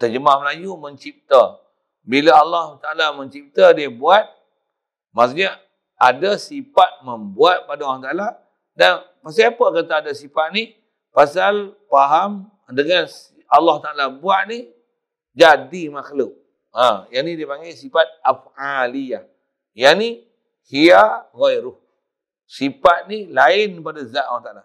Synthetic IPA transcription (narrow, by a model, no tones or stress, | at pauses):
t̪əd͡ʒəmahməlajuməɲt͡ʃip̚t̪ə | bilaalːɑhut̪aʔalaməɲt͡ʃip̚t̪ədiəbuat̪̚ | mas̬əɲə | adasifat̪̚məmbuat̪̚padawlaht̪aʔala | danpas̬iapəkət̪aadasipaʔ̪̚ni | pasalpaɦam | dəŋans | alːɑht̪aʔalabuaʔ̪̚ni | d͡ʒadimaxluʔ̚ | ajanidipaŋɡisifat̪̚afalija | jani | hiaɣojɾuh | sipat̪̚nilaɪnpadazaʔ̪̚waht̪aala